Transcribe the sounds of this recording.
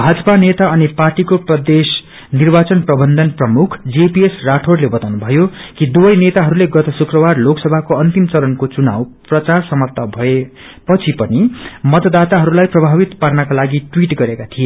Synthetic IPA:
bʱad͡zʌpanet̪aʌniparʈikoprʌd̪es | nirbat͡sʌnprʌbʌnd̪ʱʌnprʌmukʰd͡zepiesraʈʰorlebʌt̪awnubʱʌjokid̪ubʌjnet̪aɦʌɾuleɡʌt̪ʌsukrʌbarloksʌbʱakoʌnt̪imt͡sʌɾʌnkot͡suna̰wprʌt͡sarsʌmʌt̪ːabʱʌe | pʌt͡sʰipʌnimʌd̪d̪at̪aɦʌɾulajprʌbʱabit̪parnakalaɡiʈwiʈɡʌɾekat̪ʰie

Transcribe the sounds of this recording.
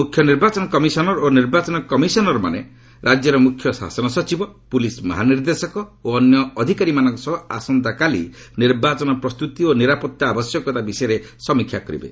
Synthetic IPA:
mukʰjɔniɾbat͡ʃɔnɔkɔmisɔnɔɾoniɾbat͡ʃɔnɔkɔmisɔnɔɾɔma̰nḛ | ɾʔad͡ʒjɔɾɔmukʰːjɔsa̰sɔnɔsɔt͡ʃibɔpulismɔ̰ɦaniɾd̪esɔkɔoɔnjɔːd̪ʱikaɾimanɔŋksɔɦa̰sɔnd̪akalḭ | niɾbat͡ʃɔnɔpɾɔst̪ut̪ioniɾapɔt̪ːaabɔsjɔkɔt̪abisɔeɾe | sɔmikʰːjakɔɾḭbḛ

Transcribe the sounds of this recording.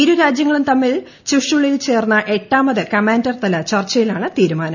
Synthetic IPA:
iɾuɾaːd͡ʑjɐŋːɐɭumt̪ɐmːil | t͡ɕuʂuɭːɐjilt͡ɕe̞ːrnːɐʔe̞ʈːaːmɐðɨkɐmaːndɐrt̪ɐlɐt͡ɕɐrt͡ɕːɐjilaːɳɨt̪iːɾumaːnɐm

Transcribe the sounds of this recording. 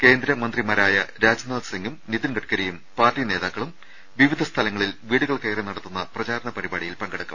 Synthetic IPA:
ke̞ːnd̪ɾɐmɐnd̪rimɐɾaːjɐɾaːd͡ʑɐnaːd̪ɐsɐŋɡumniðinɡɐʈkɐɾejumpaːrʈːine̞ːðaːkːɐɭum | ʋiʋid̪ʱɐst̪ʰɐlɐŋːɐɭilʋiːɽuɣɐɭkɐjrenɐɽɐt̪ːunːɐprɐt͡ɕaːɾɐɳɐpɐɾibaːɽijilpɐŋɡɐɽɐkːɐm

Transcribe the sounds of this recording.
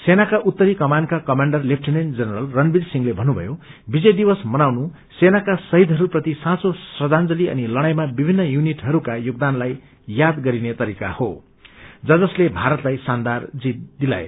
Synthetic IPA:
senakaʔut̪ːʌɾikʌmankakʌmaɳɖʌrlep̚ʰʈʰinend͡zʌnʌɾʌlrʌnbilsiŋlebʱʌnːubʱʌ̰jo | bid͡zʌjd̪ibʌsmʌnawnu | senakasʌɦid̪ʱɦʌɾuprʌt̪isãsosrʌd͡zand͡zʌliʌ̰nilʌɽ̃ajmabibʱinːʌjuniʈɦʌɾukajoɡ̚d̪anlaj | jad̪ɡʌɾinet̪ʌɾika̰ho | d͡zʌd͡zʌslebʱaɾʌt̪lajsand̪ard͡zit̪̚d̪ila̰ḛ

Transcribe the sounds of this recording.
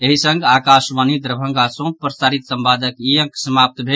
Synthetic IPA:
eɦisəŋɡaːkaʃʋanid̪ɾəbʱə̃ŋɡasõpɾəsaːɾit̪səmbaːd̪ʱəkijə̃ŋksəmap̚t̪bʱe

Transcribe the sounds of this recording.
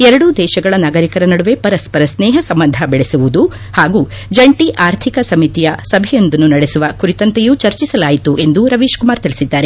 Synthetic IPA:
ɛɾɐɽud̪ɛːʃɐɡɐɭɐnaːɡɐɾikɐɾɐnɐɽuʋe̞pɐɾɐspɐɾɐsnɛːɦɐsɐmbɐnd̪ʱɐbɛɭesuʋud̪u | haːɡuː | d͡ʒɐɳʈiʔaːɾt̪ʰikɐsɐmit̪ijɐsɐbʱɛjo̞nd̪ɐnːunɐɽesuʋɐkuɾit̪ɐnt̪ejuːt͡ʃɐɾt͡ʃisɐlaːjit̪uʔe̞nd̪uɾɐʋiːʃkumaːɾt̪ilisid̪ːaːɾe

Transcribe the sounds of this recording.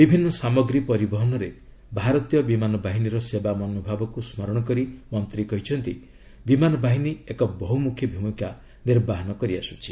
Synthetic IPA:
bibʱinːɔsamɔɡɾipɔɾibɔɦɔnɔɾe | bʱaɾɔt̪ijɔbimanɔbaɦiniɾɔsebamɔnobʱabɔkusmɔɾɔɽ̃ɔk̬ɔɾimɔnt̪ɾikɔɦit͡ʃʰɔnt̪i | bimanɔbaɦiniekɔbɔɦumukʰjɔbʱimukʰja | niɾbaɦɔnɔkɔɾiasut͡ʃʰi

